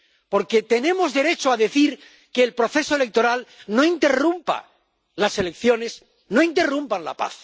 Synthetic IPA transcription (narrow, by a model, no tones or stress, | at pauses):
po̞ɾke̞t̪e̞nẽ̞mo̞zðe̞ɾe̞t͡ʃoaðeθiɾ | ke̞ːlpɾo̞θe̞soe̞le̞k̚t̪o̞ɾalno̞int̪e̞rumpa̰ | lase̞le̞kθjo̞ne̞s | no̞int̪erumpanla̰pa̰θ